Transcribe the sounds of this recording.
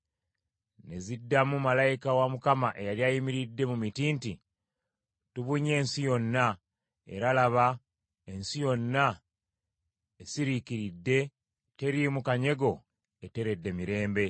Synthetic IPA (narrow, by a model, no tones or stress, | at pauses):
ne̞zidːamumalajikawamukamaʔe̞jaljajimiɾidːe̞mumitiːnti | tuβuɲe̞ːnsijo̞nːa | e̞̰ɾalaβa | e̞nsijo̞nːa | esiɾikiɾidːe̞ | te̞ɾimukaɲe̞ɡo̞ | e̞te̞ɾe̞dːe̞miɾe̞ːmbe̞